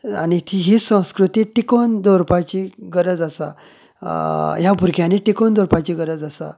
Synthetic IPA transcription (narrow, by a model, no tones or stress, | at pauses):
anit̪ʰiɦesə̃w̃skɾut̪iʈikond̪ɔɾpat͡ɕiɡəɾəd͡zasa̰ | jabʱuɾɡʱjaneʈikond̪ɔɾpat͡ɕiɡəɾəd͡zasa̰